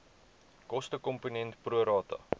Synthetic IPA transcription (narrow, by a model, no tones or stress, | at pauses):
kɔstəkɔmpunɛntpruəɾɑːtɐ̰